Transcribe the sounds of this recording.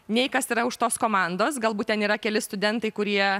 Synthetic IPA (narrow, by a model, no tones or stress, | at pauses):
nʲɛɪkɐsiːɾɐʊʃt̪oːskoːmɑnd̪oːs̬ɡɐlˠbuːt̪t̪ʲɛniːɾɐkʲɛlʲɪst̪ʊd̪ʲɛnt̪ɐɪkʊɾʲiɛ